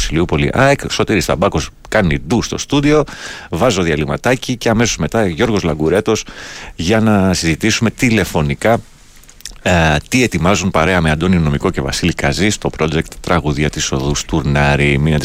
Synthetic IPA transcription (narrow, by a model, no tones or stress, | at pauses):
siliupo̞lḭʔɐekso̞t̪iɾist̪ɐ̰bɐko̞s | kɐniðust̪o̞̰st̪uðio̞vɐzo̞ðiɐlimɐt̪ɐcice̞ɐme̞so̞zme̞t̪ɐʝo̞ɾɣo̞zlɐɡuɾe̞t̪o̞sʝɐnɐsizit̪isume̞t̪ile̞fo̞nikɐ | t̪ie̞t̪imɐzunpɐɾe̞ɐmeɐnd̪o̞nino̞miko̞ce̞vɐ̰silikɐzist̪o̞pɾo̞d͡ʒe̞kt̪ːɾɐɣuðiɐt̪iso̞ðust̪uɾnɐɾiminɐt̪i